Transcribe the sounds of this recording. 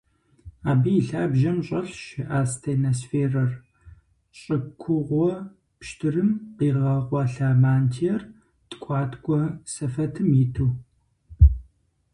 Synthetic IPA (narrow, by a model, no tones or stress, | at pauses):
aːbijɬaːbʒɐmɕʼɐɬʃɪʔaːstʰeːnosfeːrɐr | ɕʼɐkʷʰʊʁʷɔ | pʃtʰɨrɨmqiːʁɐʁʷɑɬaːmaːntʰiɛr | tʼkʷʼɑːtʰkʷʼɔsɐfɐtʰɨmjɪtʰuː